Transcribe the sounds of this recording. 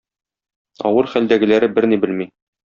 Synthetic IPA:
ɒ̰wɤɾχæld̪æɡɘ̆læɾɘbɘɾnibɘlmi

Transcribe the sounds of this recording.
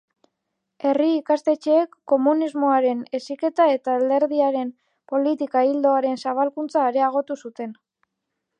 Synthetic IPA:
e̞riːkast̪e̞t͡ʃe̞ːkːo̞munizmo̞aɾe̞ne̞sike̞t̪ae̞t̪aːld̪e̞ɾðiaɾe̞m | po̞lit̪ikaild̪o̞aɾe̞nsaβ̞alkunt͡saːɾe̞aɣ̞o̞t̪usut̪e̞n

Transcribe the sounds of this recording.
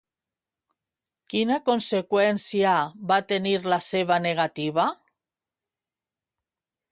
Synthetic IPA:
kinakonsekwɛnsjaβat̪eniɾlaseβ̞aneɣ̞at̪iβ̞a

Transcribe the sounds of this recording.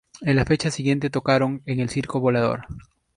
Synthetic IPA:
enlafe̞t͡ʃasiɣje̞nt̪e̞t̪o̞kaɾo̞ŋe̞ŋe̞lsiɾkoβo̞laðo̞̰ɾ

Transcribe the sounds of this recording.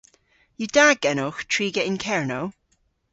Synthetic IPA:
jədaɡɛnoxtʰɹ̥iːɡɛɪ̃nkʰɛɹnow

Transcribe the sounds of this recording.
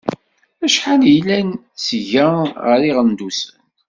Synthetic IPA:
æʃħanjəlæn | sʝəʁəɾiʁənd̪usə̰n

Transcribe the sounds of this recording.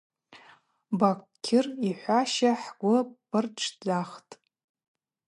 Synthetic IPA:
bakʷ | kʲʰɪriħʷaʃaħɡʷʊpɨrʈ͡ʂʰd͡zaχtʼ

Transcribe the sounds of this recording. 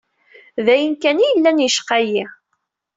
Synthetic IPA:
ðæjənkænijəlːænjəʃqæji

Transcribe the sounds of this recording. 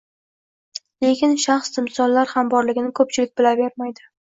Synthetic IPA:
le̞kʲɪnʃaχsd̪ɪmsɒnlaɾhambɒɾlɪɡʲɪnɪkʰɵp̚t͡ʃʰɪlɪk̚ʲbɪlave̞ɾmajd̪ɪ

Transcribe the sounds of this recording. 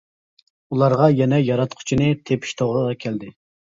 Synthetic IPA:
ulˠɑɾʁɑjɛnɛjɑɾɑt̪qʰʊ̥t͡ʃʰinɨt̪ʰepʰi̥ʃt̪ʰoʁɾəʁɑkʲʰæld̪ɪ

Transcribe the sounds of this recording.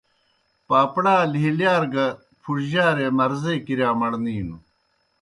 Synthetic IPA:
paːpɽaːliɦiljaːɾɡɐ | pʰuɾʑaːɾemɐɾzeːkiɾjaːmɐɽniːnu

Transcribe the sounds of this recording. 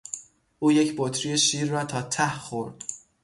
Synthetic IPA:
ʔuːjecʰbot̪ʰɾijeʃiːɾːɒːt̪ʰɒːt̪ʰæhχoɾd̪̥

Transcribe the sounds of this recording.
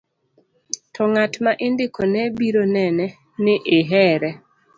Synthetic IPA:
tʰɔŋatmaʔɪndɪkʰonɛbiɾonɛnɛ | nɪʔɪɦɛɾɛ

